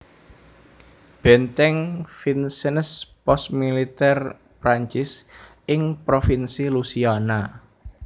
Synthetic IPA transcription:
b̥ɛ̤nt̪ɛŋfinsənəspɔst̪milit̪ɛr | pɾaɲt͡ʃɪs | ɪŋpɾofinsilusiana

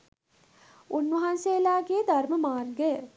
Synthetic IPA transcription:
ʔunʋɐɦanseːlaːɡeːd̪ʱarməmaːrɡə

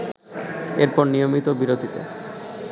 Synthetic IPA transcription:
eɾpɔɾnijomit̪obiɾod̪ʱit̪ḛ

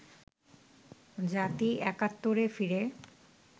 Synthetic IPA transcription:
d͡ʑat̪iɛkat̪ːoɾefiɾe

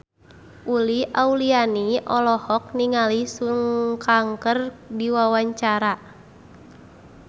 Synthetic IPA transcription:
ʔuliʔaulianiʔɔlɔhɔk̚niŋalisuŋkaŋkərdiwawaɲt͡ʃaɾa

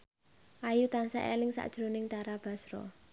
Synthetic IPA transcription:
ʔajut̪ansa̰ʔḛlɪŋsa̰ʔd̥ʒ̥ɾo̤nɪŋt̪aɾab̥a̤sɾɔ̰

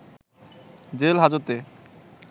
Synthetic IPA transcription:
d͡ʑelɦad͡ʑot̪e

